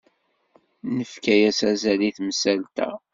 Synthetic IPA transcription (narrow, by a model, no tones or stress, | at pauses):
nəfkæjæsæzæliθmsælt̪æ̰